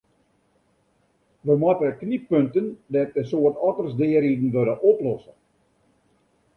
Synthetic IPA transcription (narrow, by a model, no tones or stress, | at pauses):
ʋəmɔtəət̚knipøntəndɛt̚dəsoərtɔtərsdɪəɾidn̩ʋøɾəʔɔplɔsə